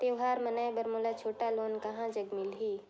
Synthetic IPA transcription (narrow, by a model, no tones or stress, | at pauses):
t̪eːʋɦaːɾmɐnaːjbɐɾmoːlat͡ʃʰoːʈaloːnkɐɦãd͡ʒɐɡmɪlɦi